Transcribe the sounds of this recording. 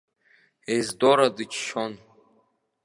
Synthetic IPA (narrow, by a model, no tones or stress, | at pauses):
ezd̪ɔɾad̪ɨt͡ʃʰʃʰɔn